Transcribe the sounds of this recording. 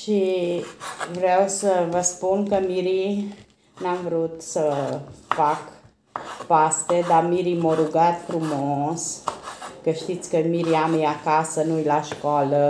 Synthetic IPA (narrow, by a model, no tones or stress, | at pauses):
ʃi | vɾewsəvəspunkəmiɾi | namvɾut̪səfak | past̪ed̪amiɾimoɾuɡat̪fɾumos | kəʃt̪it̪sʲkəmiɾiamjakasənujlaʃkalə